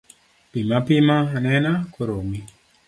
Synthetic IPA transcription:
pimapimanɛnakoɾomi

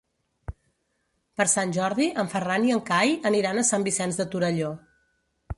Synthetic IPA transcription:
pəɾsanʲʒɔɾðiʔəɱfəraniəŋkajəniɾanəsambisɛnzðət̪uɾəʎo

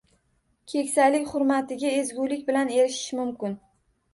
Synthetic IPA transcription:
kʲʰe̞kʲsajlɪkʲχʊɾmat̪ɪɡʲae̞zɡʲulɪkʲbɪlane̞ɾɪʃɪ̥ʃmʊmkʲɪn

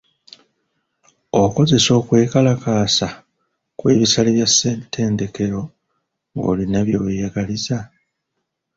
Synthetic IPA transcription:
o̞ko̞ze̞so̞ːkwe̞ːkalakaːsa | kwe̞̰ːβisaliβjasːetʰːe̞ːnde̞ke̞ɾo̞ | ŋɡo̞̰ːlinaβjoːwejaɡaliza

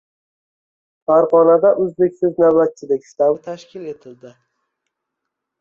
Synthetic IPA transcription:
faɾʁɒnad̪aʔɵzbekʲsɪznawbat̪̚t͡ʃʰɪlɪkʲst̪amt̪ʰaʃkʲʰɪle̞t̪ʰɪld̪ɪ

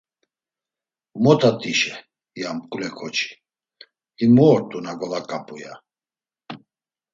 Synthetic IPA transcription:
mɔt̪ʰat̪ʼiʃɛ | jamkʼulɛkʰɔt͡ʃʰʼi̥ | imɔːɾt̪ʼunaɡɔlakʼapʼuja

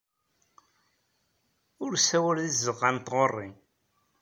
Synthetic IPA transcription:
ʊɾsæwælðizəʁant̪ʁorˤːi

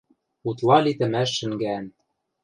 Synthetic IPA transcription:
ut̪lˠɑlit̪ɘ̆mæʃːɘ̆ŋɡæn

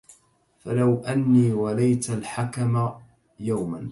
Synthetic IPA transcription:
falawʔanːiːwalajt̪alħakama | jawman

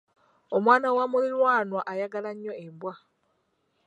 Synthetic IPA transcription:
omwaːnawamulilwaːnwaʔajaɡalaɲːo̞embwa

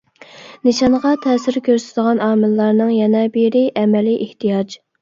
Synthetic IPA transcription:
nɪʃɑnʁɑt̪ʰɛːsɪɾkʲʰøɾsɪt̪d̪əʁɑnɑːmɨlˠːɑɾnɨŋjɛnɛbeɾɪʔɛmɛliʔeht̪ʰijɑd͡ʒ

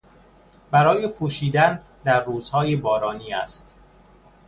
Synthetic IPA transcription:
bæɾɒːjepʰuːʃiːd̪æn | d̪æɾːuːzhɒːjebɒːɾɒːniːæ̰st̪

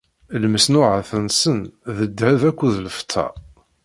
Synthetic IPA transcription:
lməsnʊʕəθənsənðəd̪ːhævækʷːuðləft̪ʰːɑ̰

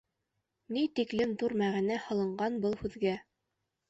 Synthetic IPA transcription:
nit̪iklɘmðuɾmæʁænæhɤ̆lˠɤ̆ɴɢɑnbɤlˠhʉðɡæ

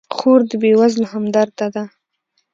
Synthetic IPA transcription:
xoɾd̪əbewazlhamd̪aɾt̪ad̪a

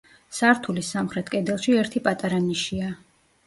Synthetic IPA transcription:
saɾt̪ʰulisamχɾɛt̪ʰkʼɛd̪ɛlˠʃiɛɾt̪ʰipʼat̪ʼaɾaniʃia

